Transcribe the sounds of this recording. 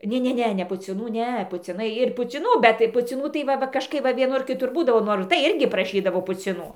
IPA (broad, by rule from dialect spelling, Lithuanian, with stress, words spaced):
ˈnʲɛ ˈnʲɛ nʲɛ pʊt͡sʲˈɪnuː ˈnʲɛ pʊt͡sʲɪˈnɐɪ ɪr pʊt͡sʲɪˈnuː bʲɛt tɐɪ pʊt͡sʲɪˈnuː tɐɪ ˈʋɐ ˈʋɐ kɐʃˈkɐɪp ʋɐ ʋʲiɛˈnʊr kʲɪˈtʊr ˈbuːdɐʋoː ˈnoːr ɪr tɐɪ ˈɪrʲɡʲɪ prɐˈʃʲiːdɐʋoː pʊt͡sʲɪˈnuː